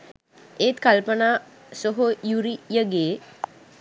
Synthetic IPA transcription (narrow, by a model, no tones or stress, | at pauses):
eːt̪kalpənaː | soɦojuɾijəɡeː